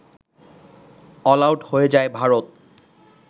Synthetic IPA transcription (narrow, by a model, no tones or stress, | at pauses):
ɔlawʈhoed͡ʑaebʱaɹot̪̚